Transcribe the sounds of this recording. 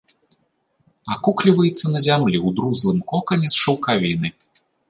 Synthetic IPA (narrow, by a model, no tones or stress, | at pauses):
akuklʲivɐjɛt̪sːɐnɐzʲamlʲiwd̪ɾuzlˠɨmkɔkɐnʲɛsʂɐwkavʲinɨ